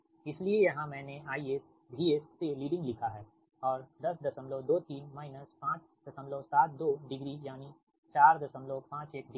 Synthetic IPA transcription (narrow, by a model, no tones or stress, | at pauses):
ɪsliejɐɦãmɛ̃ːneaːieːs | bʱiːeːsːeliːɖɪ̃ŋɡlɪkʰaɦɛː | ɔːɾd̪ɐsd̪ɐsəmlod̪oːt̪iːnmaːɪnəspãːt͡ʃ | d̪̥ɐsəmlosaːt̪̚ʰd̪oːɖɪɡɾijaːni | t͡ʃaːɾd̪ɐsəmlopãːt͡ʃeːk̚ɖɪ